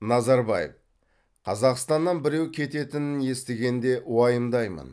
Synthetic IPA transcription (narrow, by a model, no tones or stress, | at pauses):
nɑzɑɾbɑjḛf | qʰɑzɑqst̪ɑnːɑnbɪɾe̞wkʲʰe̞t̪e̞t̪ɪnɪnje̞st̪e̞ɡʲe̞nd̪e̞ʔwɑjəmd̪ɑjmə̰n